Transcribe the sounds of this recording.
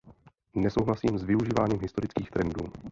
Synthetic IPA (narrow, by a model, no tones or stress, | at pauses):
nɛso̞wɦlasiːmzvɪuʒiːvaːɲiːmɦɪst̪o̞ɾɪt͡skiːxt̪ɾɛndṵː